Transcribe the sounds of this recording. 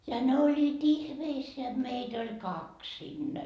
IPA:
jɑ ne olʲːiːt ihmeisːeæ jot meit olʲ kɑks sinːæ

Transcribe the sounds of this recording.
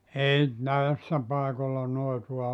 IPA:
ei næesːæ pɑekolːɑ noituɑ

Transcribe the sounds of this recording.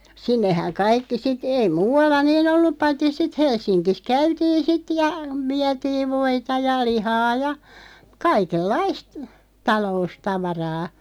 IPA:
sinːehæŋ kɑikːi sit ei muːɑlːɑ niːn olːup pɑitːi sit helsˑinkis kæytiːn̞ sit jɑ ʋiætiːʋ ʋoitɑ jɑ lihɑː jɑ kɑikelːɑist tɑloustɑʋɑrɑː

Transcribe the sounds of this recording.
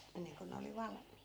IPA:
enːeŋko ne oli ʋɑlmˑiːt

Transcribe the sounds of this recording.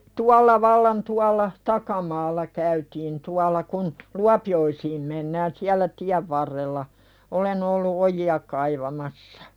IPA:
tuɑlːɑ ʋɑlːɑn tuɑlːɑ tɑkɑmɑːlːɑ kæytiːn tuɑlˑɑ kun luɑpioisiːm menːæːn siælːæ tiæʋ ʋɑrːelːɑ olen olːu ojiɑ kɑiʋɑmɑsːɑ̥

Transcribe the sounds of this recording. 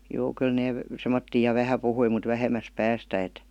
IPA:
juː kyl neː semːotːiː jɑ ʋæhæ puhui mut ʋæhemæs pæːstæ et

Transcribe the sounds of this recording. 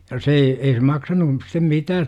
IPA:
jɑ se ei ei se mɑksɑnu stem mitæːt

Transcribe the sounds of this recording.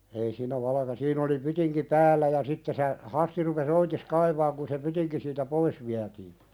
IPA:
ei siːnæ ʋɑlɑ̆kɑ siːn oli pytiŋki pæːlːæ jɑ sitːe se hɑsti rupes oitis kɑiʋɑːŋ kun se pytiŋki siːtæ pois ʋiætiː

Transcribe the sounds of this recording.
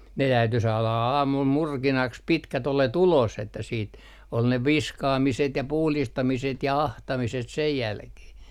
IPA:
ne tæyty sɑːlɑ ɑ ɑːmul murkinɑks pitkæt olet ulos etːæ siːt ol ne ʋiskɑːmiset jɑ puhlistɑmiset jɑ ɑhtɑmiset sej jælkeh

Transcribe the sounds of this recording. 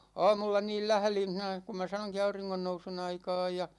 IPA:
ɑːmulːɑ niːl læhlin̞ hinæ ku mæ sɑnoŋki ɑuriŋːonːousun ɑikɑːj jɑ

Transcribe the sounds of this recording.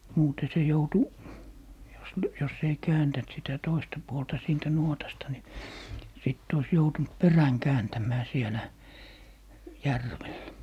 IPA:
muːte se joutu jos ly jos ei kæːntæn̆t sitæ toistɑ puoltɑ siːntæ nuotɑstɑ ni sit ois joutunt peræŋ kæːntæmˑæː sielæ jærʋelːæ̆

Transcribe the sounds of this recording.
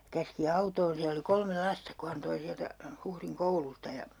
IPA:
kæski ɑutoːn siæ oli kolme lɑstɑ ku hɑn toi siæltæ huhriŋ koulustɑ jɑ

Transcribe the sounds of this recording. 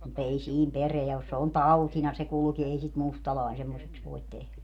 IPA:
mut ei siːn pereæ os se on tɑutinɑ se kulki ei sit mustɑlɑˑin semːoseks ʋoit tehlæ

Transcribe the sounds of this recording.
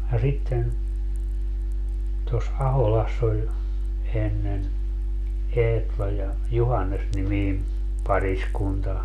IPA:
jɑ sitːen tos ɑholɑsː olʲ enːen eːtlɑ jɑ juhɑnːesnimiːm pɑriskuntɑ

